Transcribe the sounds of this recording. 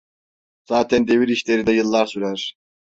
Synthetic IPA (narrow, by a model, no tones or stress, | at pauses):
z̥aːt̪ʰænd̪e̞viɾiʃlʲe̞ɾid̪ɛjɯlˠːaɾsyɾæɾ̥